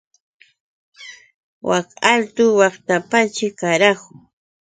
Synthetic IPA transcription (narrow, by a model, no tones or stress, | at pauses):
wakalt̪ʊwɑχt̪apat͡ʃɪkaɾakʊ